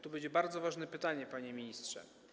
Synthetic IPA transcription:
t̪ubɛd͡ʑɛbaɾd̪zɔvaʐnɛpɘt̪aɲɛpaɲɛmʲiɲistʂɛ̰

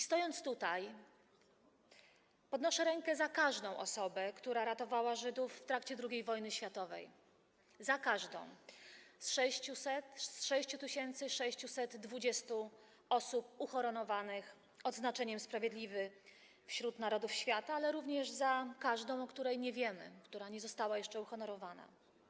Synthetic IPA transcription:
ist̪ɔjɔnt̪st̪ut̪aj | pɔd̪nɔʂɛɾɛŋkɛzakaʐd̪ɔ̃w̃ʔɔ̰sɔbɛkt̪uɾaɾat̪ɔvawaʐɘd̪ufft̪ɾakt͡ɕɛd̪ɾuɡʲejvɔjnɘɕfʲjat̪ɔvɛ̰j | zakaʐd̪ɔ̰̃w̃sʂɛɕt͡ɕusɛt̪sʂɛɕt͡ɕut̪ɘɕɛnt̪sɘʂɛɕt͡ɕusɛd̪ːvud͡ʑɛst̪u | ɔsup̚uxɔɾɔnɔvanɘx | ɔd̪znat͡ʂɛɲɛmspɾavʲjɛd̪lʲivɘ | fɕɾut̪naɾɔd̪ufɕfʲjat̪aalɛɾuvɲɛʐzakaʐd̪ɔ̃w̃ɔkt̪uɾɛjɲɛvʲjɛmɘ̰kt̪uɾaɲɛzɔst̪awajɛʂt͡ʂɛuxɔnɔɾɔvana̰

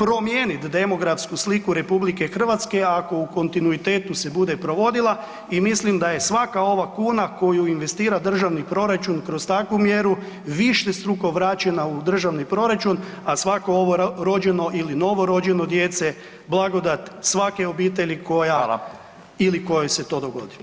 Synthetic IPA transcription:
pɾo̞mjenit̪d̪e̞mo̞ɡɾafskuslikuɾe̞publike̞xr̩ʋat̪ske̞ako̞uko̞nt̪inuit̪e̞ːt̪use̞bud̪e̞pɾo̞ʋo̞d̪ila | imislimd̪aje̞sʋakao̞ʋakuːnako̞juinʋe̞st̪iːɾad̪r̩ʒaʋnipɾo̞ɾat͡ʃunkɾo̞st̪akʋumjeɾu | ʋiʃest̪ɾuko̞ʋɾat͡ʃenaud̪r̩ʒaʋnipɾo̞ɾat͡ʃun | asʋakooʋoɾo̞d͡ʒe̞no̞ʔilino̞ʋo̞ɾo̞d͡ʒe̞no̞d̪je̞t̪se | blˠaɡo̞d̪at̪sʋake̞obiːt̪̬e̞ʎiko̞jalˠa̰ | iliko̞jeset̪o̞ːd̪o̞ɡo̞̰d̪i

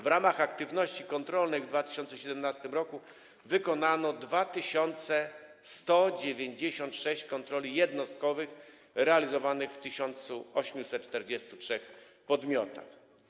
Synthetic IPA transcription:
vɾamaxakt̪ɘvnɔɕt͡ɕikɔnt̪ɾɔlnɛjvd̪vat̪ɘ̥ɕɔnt̪sɛɕɛd̪ɛmnast̪ɘmɾɔku | vɘkɔnanɔd̪vat̪ɘɕɔnt̪sɛ | st̪ɔd͡ʑevʲjeɲd͡ʑeɕɔnt̪ʂɛɕt͡ɕkɔnt̪ɾɔlʲijɛd̪nɔst̪̚kɔvɘx | ɾɛalʲizɔvanɘxft̪ɘɕɔnt̪suɔɕmʲjusɛt̪̚t͡ʂt̪ɛɾd͡ʑɛst̪utʂɛxpɔd̪mʲjɔt̪a̰x

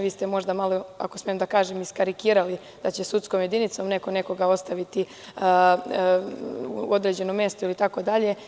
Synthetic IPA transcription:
ʋiːst̪e̞mo̞ʒd̪amaloa̰kosmjemd̪akaːʒemiskaɾikiːɾali | d̪̥at͡ɕesut̪skomje̞d̪init̪so̞mne̞ko̞ne̞ko̞ɡao̞st̪aʋit̪i | o̞d̪ɾe̞d͡ʑe̞nomːje̞st̪oilit̪ako̞d̪aʎe̞

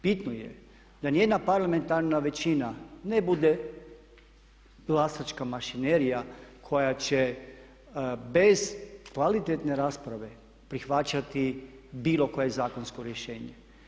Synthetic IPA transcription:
pit̪nojḛ | d̪anije̞d̪napaɾlˠame̞nt̪aɾnaʋe̞t͡ʃinanebud̪e | ɡlˠasat͡ʃkamaʃineɾijakʰo̞jat͡ɕe | be̞zkʋalit̪et̪ne̞ɾaːspɾaʋe̞ | pɾixʋat͡ʃat̪i | biːlo̞ko̞je̞zaːko̞nsko̞ɾjeʃe̞ːɲe

